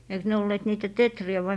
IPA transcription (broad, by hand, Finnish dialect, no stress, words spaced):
eiks ne olːeːt niːtæ tetriæ ʋɑi